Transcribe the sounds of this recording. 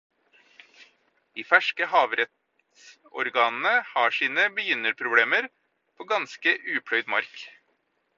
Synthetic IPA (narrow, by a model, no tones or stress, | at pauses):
d̪̥iːfæʃkəhɑːʋɾɛt̪ | s | ɔ̰ɾɡɑːnn̩əhɑːʂiːnəbəjʏnəɾpʰɾʊbleːməɾ | pʰoːɡɑnskəʔʉːpʰɽœʏd̪mɑ̰ɾk